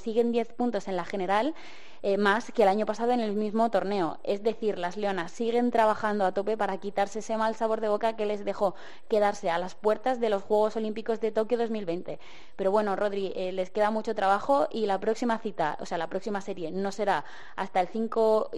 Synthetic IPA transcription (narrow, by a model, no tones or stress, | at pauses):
siɣ̞e̞nd̪je̞θpunt̪o̞se̞nlaxe̞ne̞ɾal | emaske̞laɲo̞pasað̞o̞ene̞lmizmo̞t̪o̞ɾne̞o̞e̞zðe̞θiɾlazle̞o̞nasːiɣ̞e̞nt̪ɾaβ̞axand̪oat̪o̞pe̞paɾakit̪aɾseese̞malsaβ̞o̞ɾð̞eβo̞kakele̞zðe̞xo̞ | ke̞ð̞aɾse̞alaspwe̞ɾt̪azðe̞lo̞sxwe̞ɣ̞o̞so̞limpiko̞zðe̞t̪o̞kjoðo̞zmilβe̞jnt̪e̞ | pe̞ɾo̞βwe̞no̞ro̞ðɾiʔele̞ske̞ðamut͡ʃo̞t̪ɾaβ̞axo̞ʔilapɾo̞ksimaθit̪ao̞sealapɾo̞ksimase̞ɾje̞no̞se̞ɾa | ast̪aelθiŋko